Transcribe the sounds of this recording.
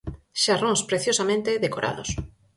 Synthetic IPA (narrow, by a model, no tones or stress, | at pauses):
ʃarõŋspɾeθjosamẽnt̪eðekoɾʔa̰ðo̰s